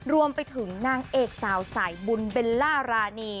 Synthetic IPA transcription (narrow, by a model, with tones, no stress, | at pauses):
ɾu˧əmpa˧jt̪ʰɯ˩˦ŋnaː˧ŋʔeː˨˩k̚saː˩˦wsaː˩˦jbu˧nbe˧nlaː˥˩ɾaː˧niː˧